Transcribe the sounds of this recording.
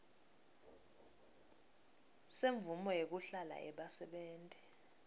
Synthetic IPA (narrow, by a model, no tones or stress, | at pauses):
seɱvumɔjek̬uɬala̰ʔɛ̰ɓasɛɓɛːntʼɛ